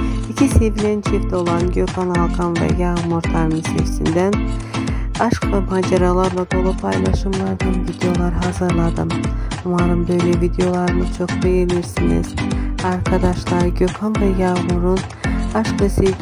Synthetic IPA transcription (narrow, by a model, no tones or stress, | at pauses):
icʰisevilʲænt͡ʃʰift̪ʰɛo̞lˠanɟøkʰanalˠkʰanvɛ̰jamuɾt̪ʰaɾmisḛvsḭnd̪æn | aʃklˠamad͡ʒaɾalˠaɾlˠad̪o̞lˠupʰajlˠaʃɯmlˠaɾd͡ʒɯmvid̪ejo̞lˠaɾɦazɯɾlˠad̪ɯmumaɾɯmbø̞jlʲɛvid̪ejo̞lˠaɾɯnɯt͡ʃʰo̞kbe̞jeniɾsinḭz̥aɾkʰad̪aʃlˠaɾɟøkʰanvɛjaːmuɾun | aʃklˠɯse